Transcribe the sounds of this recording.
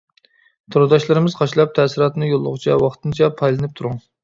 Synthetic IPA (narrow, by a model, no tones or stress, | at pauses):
t̪ʰoɾd̪ɑʃlˠɨɾɨmɨzqʰɑʃlˠɑp̚t̪ʰɛsɨɾɑːt̪nɨjolˠːʊ̰ʁʊt͡ʃʰɛwɑχt̪ʰɨnt͡ʃʰɛpʰɑjlˠɨnɨp̚t̪ʰuɾuŋ